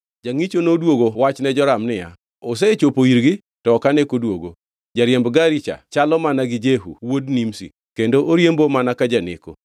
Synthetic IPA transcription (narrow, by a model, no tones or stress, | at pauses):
d͡ʒaŋit͡ʃonodwoɡowat͡ʃnɛd͡ʒɔɾamnɪja | os̬ɛt͡ʃopoiɾɡɪ | tɔkanekodwoɡo | d͡ʒaɾjembɡaɾit͡ʃa̰t͡ʃalɔmanaɡɪd͡ʒeɦṵwodnimsḭ | kendoʔoɾjembomanakad͡ʒanɪ̰ko̰